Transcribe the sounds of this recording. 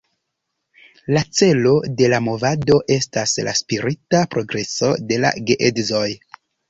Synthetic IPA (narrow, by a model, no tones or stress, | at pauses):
lat͡se̞lo̞de̞lamo̞vado̞ʔe̞stasla̰spiɾitapɾo̞ɡɾe̞so̞̰de̞la̰ɡeʔedzo̞j